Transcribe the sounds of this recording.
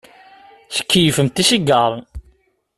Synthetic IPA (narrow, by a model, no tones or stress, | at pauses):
θə̥kʰːəjəfəmt̪iʃiɡəɾˤ